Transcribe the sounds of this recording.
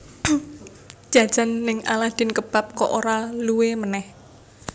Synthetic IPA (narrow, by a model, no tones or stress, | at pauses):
d͡ʒ̥a̤̥d͡ʒ̥a̤nːɪŋa̰lahd̪̥ɪ̤nkəb̥a̤p̚kɔʔoɾaluwemənɛh